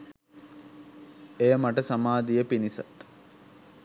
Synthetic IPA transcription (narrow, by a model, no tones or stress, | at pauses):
ejəmaʈəsamaːd̪ijəpinisa̰t̪